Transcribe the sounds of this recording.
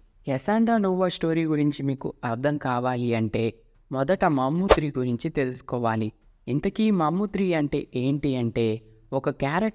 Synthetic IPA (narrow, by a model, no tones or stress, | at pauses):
ɛsaːɳɖaːnuːʋɐsʈo̞ːɾiːɡuɾiɲt͡ʃimiːkuɐɾd̪ʱɐŋkaːʋaːliɐɳʈe̞ː | mɔd̪ɐʈɐmɐmːut̪ɾiɡuɾiɲt͡ʃit̪e̞lusu̥kɔːʋaːli | int̪ɐkiːmɐmːut̪ɾiːɐɳʈḛːʔeːɳʈiɐɳʈe̞ː | ɔkɐkaːɾɐ